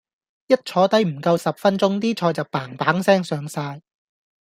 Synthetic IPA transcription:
jɐ˥t̚t͡ʃʰɔː˨˥t̪ɐ˨˥jm̩˨˩kɐ˧wsɐ˨p̚fɐ˥nt͡sʊ˥ŋt̪iː˥t͡ʃʰɔː˧jt͡sɐ˨˩wpaː˨˩ŋpaː˨˥ŋsɛː˥ŋsœː˨˧ŋsaː˧j

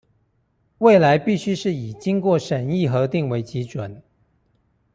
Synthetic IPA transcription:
we˥˩ɪla˧˥ɪpi˥˩ɕy˥ʂɻ̩˥˩i˨˩t͡ɕi˥ŋkwɔ˥˩ʂə˨˩ni˥˩xɤ˧˥t̪i˥˩ŋwe˧˥ɪt͡ɕi˧˥ʈ͡ʂwə˨˩˦n

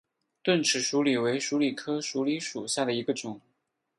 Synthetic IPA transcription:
t̪wə˥˩nʈ͡ʂʰɻ̩˨˩ʂu˧˥li˨˩we˧˥ɪʂu˧˥li˨˩kʰɤ˥ʂu˧˥li˧˥ʂu˨˩ɕja˥˩d̪ə˩i˧˥ɡə˧ʈ͡ʂʊ˨˩˦ŋ

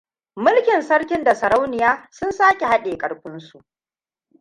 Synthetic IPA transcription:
mʊ˦lkʲɪ˨nsɐ˦ɽkʲɪ˦nda˨sɐ˨ɾa˦wnɪ˨jaː˦sʊ˦nsaː˦kʲe˨ha˦ɗeː˨kʼɐ˨ɽɸʊ˦nsu˨ʔ

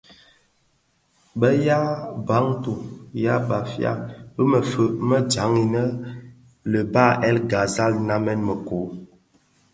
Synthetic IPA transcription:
bə˦ja˦ba˨˦ŋtu˨ja˦ba˨fja̰˦bə˦mə˨fə˦ʔmə˦d͡ʒa˨˦ŋi˨nə˦ | lə˨ba˦˨ʔɛ˦lɡa˨za˦lna˦mɛ˦nmə˨ko˨˦

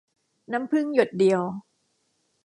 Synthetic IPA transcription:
na˦˥mpʰɯ˥˩ŋjo˨˩t̪̚di˨˧əw

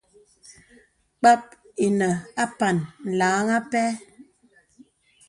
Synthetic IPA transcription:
k͡pa˦p̚ | e˨nə˨a˦pa˨nn̩˨laː˨˦ŋa˦pɛ˦

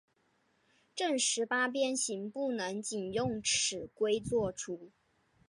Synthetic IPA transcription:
ʈ͡ʂə˥˩ŋʂɻ̩˧˥pa˥p̬jɛ˥nɕi˧˥ŋpu˥˩nə˧˥ŋt͡ɕi˨˩njʊ˥˩ŋʈ͡ʂ̩ʰ˨˩kwe˥ɪt͡swɔ˥˩ʈ͡ʂʰu˥

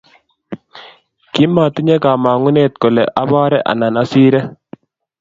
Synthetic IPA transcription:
kɪ˦ma˨t̪ɪ˦ɲɛ˦ka˨ma˨ŋʊ˦ne˦˨t̪̚ko˨lɛ˨ʔa˦ba˦ɾɛ˦ʔa̰˨na˨na˦si˦ɾɛ˦

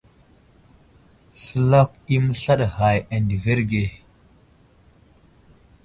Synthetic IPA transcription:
sə˦la˦k̚i˦mə˦ɬa˦ɗha˨ja˨ndve˦ɾɡe˨

